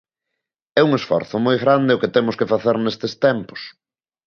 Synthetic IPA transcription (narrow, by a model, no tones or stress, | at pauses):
ɛuŋesfɔ̰ɾθʊmojɣɾand̪ɪʊkɪt̪ɛmʊskɪfaθeɾnest̪est̪ɛmpʊ̥s